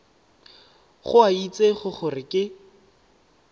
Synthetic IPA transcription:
χʊait͡seχʊχʊrɪkʼɪ

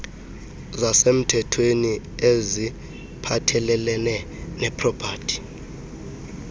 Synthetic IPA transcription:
zasem̩tʰɛtʰweni | ezi | pʰatʰɛlɛlɛnɛ | nɛpʰʼrɔpʰaːd̥ʰʱʼi̥

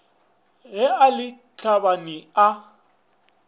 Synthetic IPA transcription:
ɣɛalɪ | t͡ɬʰabanɪa

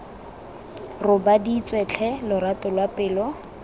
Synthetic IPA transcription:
rʊbadiːt͡sʼwɛt͡ɬʰɛlʊratʊlwapʼɪːlɔ

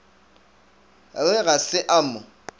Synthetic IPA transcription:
aŋɛɣasɪʔamʊ

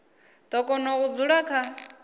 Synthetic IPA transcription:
d̪ɔkʼɔnɔkud͡zuɺakʰa

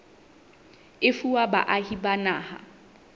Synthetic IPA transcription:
ɪfuwabaʔahibanaːha̰

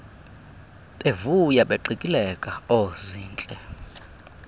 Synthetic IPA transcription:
ɓevujaɓeǃikʼilɛkʼaɔziːnt͡ɬʼɛ

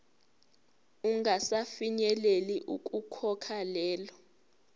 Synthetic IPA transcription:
uŋʱasafiɲɛleliʔuk̬ʼukʰɔkʰalɛːlɔ

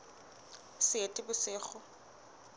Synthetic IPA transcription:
sɪetʼɪbʊsɪːχʊ

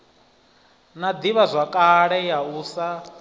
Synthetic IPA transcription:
nad̪iβazʷakʼaɺɛjauːsa

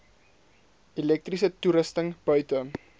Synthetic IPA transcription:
ilɛk̚trisətuɾəstəŋb̥œɥtə

